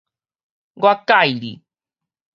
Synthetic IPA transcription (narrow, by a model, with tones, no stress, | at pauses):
ɡwa˦ka˦˨jɾḭ˨